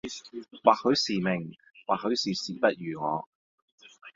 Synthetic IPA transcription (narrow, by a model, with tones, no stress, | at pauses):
waː˨k̚hɵ˨˧˥ɥsiː˨˩mɪ˨˩ŋ | waː˨k̚hɵ˨˧˥ɥsiː˨˩siː˨˩pɐ˥t̚jyː˨˩ŋɔ̰ː˨˧